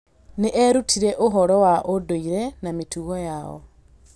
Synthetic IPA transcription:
neʔɛɾutʰiɾɛʔoɦɔɾɔwaʔodoiɾɛnametuɣɔjaɔ̰

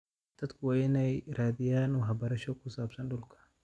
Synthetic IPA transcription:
d̪̥ɐd̪kʰʊwaːɪnɛjɾaːðɪjaːnuːɦɐbɐɾɐʃɔkʰʊsaːbsɐnɖʊlkʰɐ̥

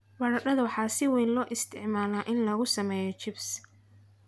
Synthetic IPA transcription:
wɐɽɐɖɐðɐwħɑːsɪwɛːnlɔːʔɪst̪ʰɪʕmaːlaːʔɪnlɐɣʊsɐmɛːjɔt͡ʃɪbs

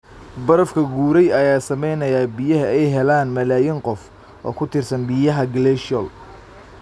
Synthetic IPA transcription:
bɐɾɐfkʰɐɡuːɾɛjɐjaːsɐmɛjnɐjaːbɪjɐɦɐɛjɦɛlaːnmɐlaːjɪŋqɔf | ʔɔ̰ːkʰʊt̪ʰɪrsɐnbɪjɐɦɐɡlɛʃɔl

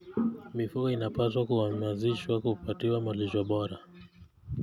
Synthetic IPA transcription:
mifukɔinapaswakuamaziʃwakupatiwamaliʃaɓɔɾa

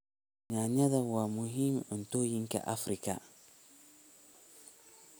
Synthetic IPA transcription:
ɲaɲadawamuɦimn̩tojiŋkɛ̰ʔafɾika̰

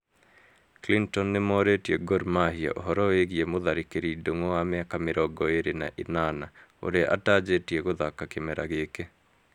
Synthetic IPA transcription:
klintɔnːemɔɾetieɡoɾmahia̰ʔoɦɔɾɔeɣiemoðaɾekeɾidoŋɔwamɛakameɾɔɡɔeɾena̰ʔinanao̰ɾeʔa̰tad͡ʒetieɣoðakakemɛɾa̰ɣeːke

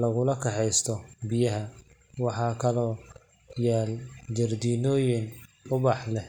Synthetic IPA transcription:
lɐɣʊlɐkʰɐħɛjst̪ʰɔbɪjɐɦɐ | wɑħɑːkʰɐlɔː | jaːld͡ʒɐrd̪iːnɔːjɪn | ʊβɑħlɛh

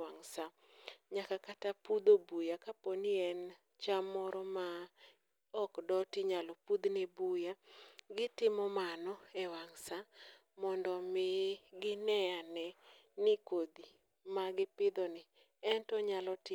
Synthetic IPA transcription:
waŋsa | ɲakakatapud̪obujakaponiɛn | t͡ʃamɔɾɔma | ɔkdɔtiɲalɔpud̪nɛbujaɡɪtɪmɔmanɔɛwaŋsa | mɔndɔmɪɡɪnɛjanɛ | nɪkod̪i | maɡɪpɪd̪ɔnɪ | ɛntɔɲalɔt

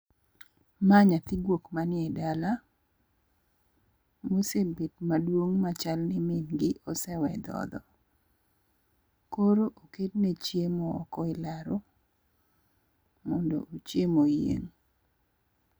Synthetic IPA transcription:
maɲat̪ɪɡwokmanɪɛdala | mosebetmadwoŋmat͡ʃalnɪmɪnɡɪʔɔsɛwɛd̪ɔ̰d̪ɔ̰ | koɾoʔoket̚net͡ʃjemɔɔ̰kɔɪlaɾo | mɔndo̰ʔot͡ʃjemojḛŋ

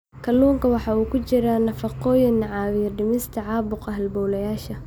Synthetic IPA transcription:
kʰɐluːŋkʰɐwɑħɑːuːkʰʊt͡ʃɪɾaːnɐfɑqɔːjɪnːɑʕɑːwɪjɐɖɪmɪst̪ʰɐʕɑːbʊqɐɦɐlbɔwlɐjaːʃɐ

